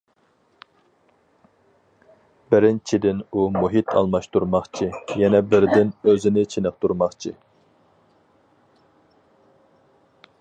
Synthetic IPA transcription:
b̥ɪɾɪnt͡ʃʰid̪ɪnumuɦit̪ʰɑ̰lˠmɑʃt̪uɾmɑχt͡ʃʰijɛnɛbɪɾd̪ɪnøzɪnɪt͡ʃʰinɨχt̪uɾmɑχt͡ʃʰi

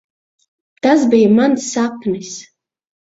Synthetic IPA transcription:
t̪asbijamansːapnis

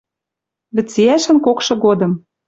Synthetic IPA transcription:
βɘ̆t͡siæʃɘ̆nkokʃɤ̆ɣod̪ɤ̆m

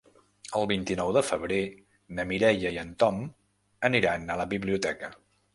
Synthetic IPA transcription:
əlˠβint̪inɔwðəfəβɾe | nəmiɾɛjəiənt̪ɔm | əniɾanələβiβliut̪ɛkə

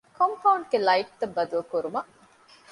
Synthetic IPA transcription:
kʰompɐwɳɖɡelɐiʈ̚t̪ɐbːɐd̪uɐkuɾumɐ

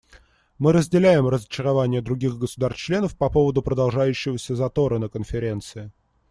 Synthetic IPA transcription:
mɨɾəzʲdʲɪlʲæjɪmrəzət͡ɕɪɾɐvanʲɪjəd̪ɾʊɡʲiɣɡəsʊd̪arst͡ɕlʲenəfpɐpo̞vəd̪ʊpɾəd̪ɐlˠʐajʉɕːɪvəsʲəzɐt̪o̞ɾənəkənfʲɪɾʲe̞nt̪sɨɪ

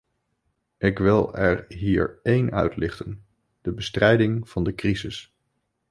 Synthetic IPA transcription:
ʔɪkʋɪlˠɛɹɦiːɹejnœ̰ɥtlɪχtən | d̥əbəstrɛjdɪŋv̥ɑndəkrizɪs

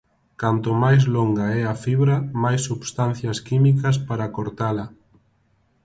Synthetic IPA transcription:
kant̪omajzloŋɡaɛafiβɾɐmajsːuβst̪anθjɐskimikɐs̬paɾakoɾt̪alɐ

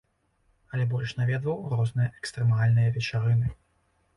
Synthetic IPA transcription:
ɐlʲɛbɔlʲʂnavʲɛd̪vɐwrɔznɨjɐʔɛkst̪ɾɛmalʲnɨjɐvʲɛt͡ʂaɾɨnɨ

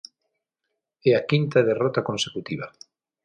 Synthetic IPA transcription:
ɛakint̪aðerɔt̪akonsekut̪iβa

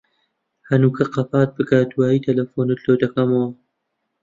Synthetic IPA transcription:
hɐnukʰɐqɐpaːt̪̚bɨɡaːt̪waːit̪ʰɐlɐfonɨt̪loːd̪ɐkɐmɐwɐ

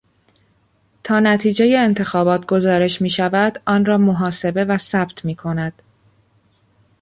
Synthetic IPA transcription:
t̪ʰɒːnæt̪ʰiːd͡ʒejeːnt̪ʰe̞xɒːbɒːt̪ʰɡo̞zɒːɾe̞ʃmiːʃævæd̪ʔɒːnrɒːmo̞ɦɒːse̞be̞væsæb̥t̪ʰmiːkʰo̞næd̪̥

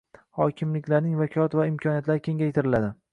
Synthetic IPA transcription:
hɒkʲʰɪmlɪkʲlaɾnɪŋvakʲʰɒlˠat̪vaɪmkʲʰɒnijat̪laɾɪkʲʰe̞ŋʲajt̪ʰɪɾɪlad̪ɪ

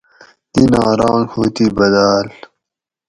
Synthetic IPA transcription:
inaːɾãːŋɡhoːt̪ibɐd̪aːl

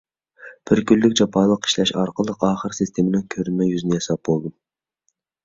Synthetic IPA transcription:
b̥ɪɾkʲylːykʲd͡ʒɑpʰɑːlˠəqi̥ʃlɛʃɑɾqəlˠəqɑːχəɾsɨst̪ʰemɪnɪŋkʲʰøɾnmɛjyzɪnɪjesɑp̚bolˠd̪un

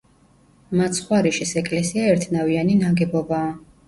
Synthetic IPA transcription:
mat̪sχwaɾiʃisɛkʼlɛsiaɛɾt̪ʰnavianinaɡɛbɔbaː

